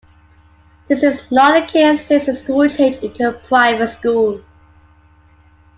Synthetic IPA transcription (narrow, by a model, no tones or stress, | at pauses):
ðɪsɪznɔɾəkʰesɪsəskulˠtʰet͡ʃɪ̃ntʰupʰɹ̥aɪvəskul